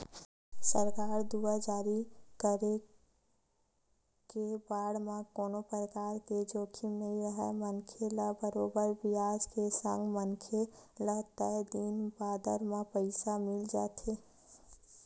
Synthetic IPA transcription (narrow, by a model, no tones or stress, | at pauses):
səɾkaːɾd̪uːad͡ʒaːɾikəɾe | kebaːɽmãkoːnopəɾəkaːɾked͡ʒoːkʰimnəɦĩɾəɦɛmənkʰeləbəɾoːbəɾbɪjaːd͡ʒkesə̰̃ŋɡmənkʰeləɦt̪ɛd̪iːnbaːd̪əɾmẽpəɪsamɪld͡ʒaːt̪ʰe